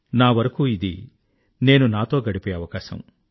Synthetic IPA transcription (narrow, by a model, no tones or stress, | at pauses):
naːʋɐɾɐkuːid̪ḭ | ne̞ːnunaːt̪o̞ːɡɐɽipeːɐʋɐkaːsɐ̰m